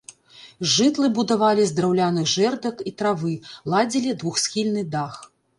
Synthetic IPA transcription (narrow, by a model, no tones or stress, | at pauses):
ʐɨt̪lˠɨbud̪avalʲizd̪ɾawlʲanɨɣʐɛrd̪ɐkit̪ɾavɨlˠad͡zʲilʲid̪vuxsʲxʲilʲnɨd̪ax